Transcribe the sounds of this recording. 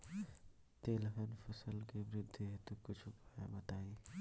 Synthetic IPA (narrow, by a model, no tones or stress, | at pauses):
t̪eːlɦənfɐsəlkeʋɾɪd̪ʱːiɦet̪okʊt͡ʃʰʊpaja̰ːmɐt̪aːiː